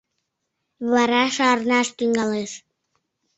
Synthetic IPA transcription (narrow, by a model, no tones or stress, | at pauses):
βɑɾɑʃɑrnɑʃt̪yŋɡɑleʃ